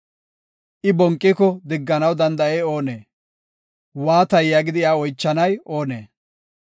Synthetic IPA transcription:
ʔɪbɔŋkʼːɪkɔd̪ɪɡːɐnɐwd̪ɐnd̪ɐeːo̞ːneː | waːt̪ɐjːaɡɪd̪ɪaːɔjt͡ʃːɐnɐjo̞ːnḛː

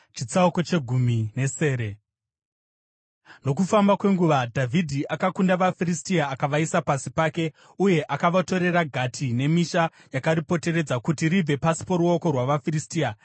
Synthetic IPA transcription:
t͡ʃit͡sauko̞t͡ʃe̞ɡʱumine̞se̞ːɾe̞ | no̞kufambakwe̞ŋɡuʋadʱavʱidʱiʔakakundaʋafiristiaːkaʋaisapasipaːke̞ | uje̞ʔakaʋato̞ɾe̞raɡʱatʰine̞miʃa | jakaɾipo̞te̞re̞d͡zakutiɾivʱe̞pasi̥poɾuo̞ko̞rwaʋafiristia

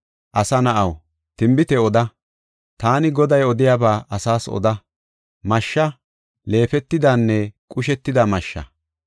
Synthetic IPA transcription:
ʔɐsɐnɐʔɐw | t̪ɪmbɪt̪ɛɔd̪ɐ | t̪aːnɪɡɔd̪ɐjɔd̪ɪjabaːʔɐsaːsɔ̰d̪ɐ | mɐʃːɐ | le̞ːfɛt̪ːɪd̪anːɛkʼʊʃ̬ɛt̪ːɪd̪ɐmɐʃːɐ̰

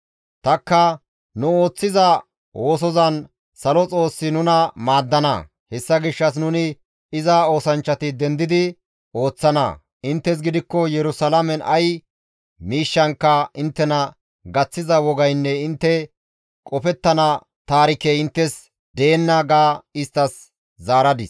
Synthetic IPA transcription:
t̪ɐkːɐ | nʊo̞ːt͡sːɪzɐ | wʔoːs̬ɔzɐn | sɐlɔt͡sʼo̞ːsːɪnʊnɐmaːd̪ːɐnɐ̰ | hɛsːɐɡɪʃːɐs̬nʊnɪ | ɪzao̞ːsɐnt͡ʃːɐt̪ɪd̪ɛnd̪ɪd̪ɪ | o̞ːt͡sːɐnɐ̰ | ɪnt̪ːɛs̬ɡɪd̪ɪkːɔjɛɾʊsɐlɐmɛnɐ̰j | miːʃːɐŋkːɐɪnt̪ːɛnɐ | ɡɐt͡sːɪzɐwɔɡɐjnːɛɪnt̪ːɛ | kʼɔfɛt̪ːɐnɐ | t̪aːɾɪkɛɪnt̪ːɛs | d̪e̞ːnːɐɡaːɪst̪ːɐs | zaːɾɐd̪ɪs

